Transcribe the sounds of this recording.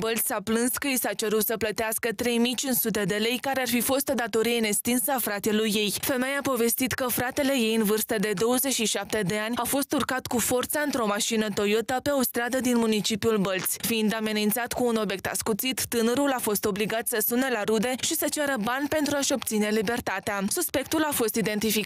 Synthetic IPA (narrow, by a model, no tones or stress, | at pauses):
bəlt̪sʲaplɨnskəisat͡ʃe̞ɾut̪səplət̪easkət̪ɾe̞jmijt͡ʃinsut̪̬e̞d̪e̞le̞jkaɾearfifo̞st̪o̞d̪at̪o̞ɾijeɨne̞kst̪insəafɾat̪elujːe̞jfe̞mejapo̞ve̞st̪it̪kəfɾat̪e̞le̞je̞jɨnvɨrst̪əd̪e̞d̪o̞wəzet͡ʃʃiʃap̚t̪e̞d̪e̞anʲafo̞st̪urkat̪kufo̞rt̪saɨnt̪ɾo̞maʃinət̪o̞jot̪əpe̞o̞st̪ɾad̪əd̪inmunit͡ʃipiulbəlt̪sʲfiind̪ame̞nint̪sat̪kuːno̞bʲje̞k̚t̪a̰skut̪sit̪ːɨnəɾulafo̞st̪o̞bliɡat̪səsunelaɾud̪e̞ʃisət͡ʃaɾəbanʲpe̞nt̪ɾuaʃo̞b̚t̪sine̞libe̞rt̪at̪easuspe̞k̚t̪ulafo̞st̪id̪e̞nt̪ifik